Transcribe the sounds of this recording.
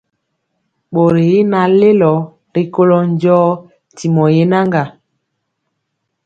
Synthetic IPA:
ɓo˨ɾe˨i˦na˨le˦lɔ˨ | ɾi˦ko˦lɔ˦n˦d͡ʒɔː˦˨ | ti˨mɔ˨je˦na˦ŋɡa˨

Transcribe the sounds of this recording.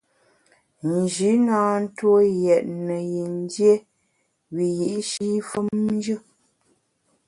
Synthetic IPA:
n˨d͡ʒi˨˦naː˦n̩˦two˦jɛ˨ʔ̚nə˨ji˨n˦dje˦ | wi˨ji˨ʔʃi˦fə˦mn˦d͡ʒɨ˦

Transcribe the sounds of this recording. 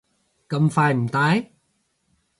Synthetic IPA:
kə˨˧˨mfaː˨˧˩jt̪aː˨˦˥j

